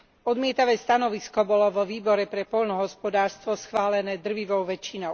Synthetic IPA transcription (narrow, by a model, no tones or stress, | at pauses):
ɔd̪mɪɛt̪aʋɛːst̪anɔʋiskɔbɔlɔʋɔʋiːbɔɾɛpɾɛpɔʎnɔɦɔspɔd̪aːɾst̪ʋɔsxʋaːlɛnɛːd̪r̩ʋiʋɔʊʋɛt͡ʃːinɔʊ